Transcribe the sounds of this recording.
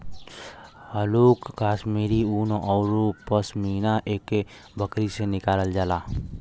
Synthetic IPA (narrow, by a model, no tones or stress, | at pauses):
ɦəloːkɡaːsmeːɾiunʔɔːʊɾopəsmiːnaʔeːkːe | bʱəkɾisenɪkaːləld͡ʒaːlaː